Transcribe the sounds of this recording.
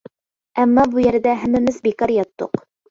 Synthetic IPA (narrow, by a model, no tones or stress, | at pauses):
æmːɑbujæɾd̪æɦæ̆mɘ̆mɘsbikɑɾjɑt̪ːṵq